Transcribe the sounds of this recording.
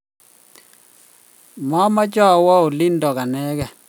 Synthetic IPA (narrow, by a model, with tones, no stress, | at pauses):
ma˦ma˦d͡ʒɔ˦˨wɔ˦o˨lɪ˦ndɔ˨ka˨nɛ˦ɡɛ˨